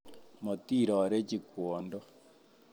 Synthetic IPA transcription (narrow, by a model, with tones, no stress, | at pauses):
mo˨ti˦˨ɾɔ˨ɾe˦t͡ʃi˨kwo˨ndɔ˦